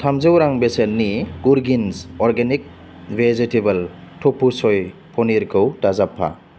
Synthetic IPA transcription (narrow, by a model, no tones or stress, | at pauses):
tʰamzewɾaŋbesenːiɡuɾɡinzɔɾɡenik̚ | bezitebɐltʰɔpʰːusɔjpʰɔniɾkʰɯwtazapʰːa̰